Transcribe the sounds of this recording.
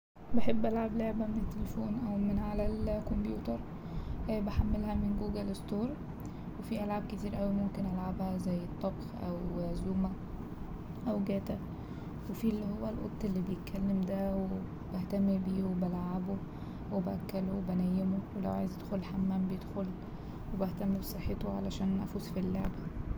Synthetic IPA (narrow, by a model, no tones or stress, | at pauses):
beħebːʔælʕableʕbæmenet̪ːelefoːnʔæwmenʕalælkombjuːt̪ɑɾˤ | ʔæbeħamːelhæmenɡuːɡælest̪ˤoːɾˤ | wefiːʔælʕab̚ket̪iːɾʔæwimomkenʔælʕabhæzæjːet̪ˤːɑbxʔæwzuːmæ | ʔæwɡæːt̪æ | wefilːihowːælʔo̰t̪ˤːelːiːbejet̪̚kʰːælːemd̪æwe | b̥æht̪æmːibiːwebælʕabo | webæʔækːælowebænæjːemowelæwʕa̰jezʔed̪xolħamːæːmbejed̪xol | webæht̪æmːibesˤeħːet̪oʕalæʃæːnnæ̰fuːsfilːo̰ʕb